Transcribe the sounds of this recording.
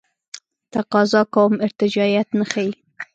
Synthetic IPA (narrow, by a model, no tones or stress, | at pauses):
t̪aqɑzɑkawmɪɾt̪ɪd͡ʒɑjat̪nəxaji